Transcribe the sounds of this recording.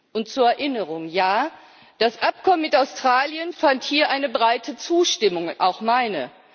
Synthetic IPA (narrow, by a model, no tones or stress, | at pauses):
ʔʊntt͡suːɐɛɐʔɪnəʁʊŋjaː | d̥asʔap̚kʰɔmənmɪtaʊstʁ̥aːljənfanthiːɐʔaɪnəbʁaɪtʰət͡suːʃtɪmʊŋʔa̰ʊxmaɪnə̰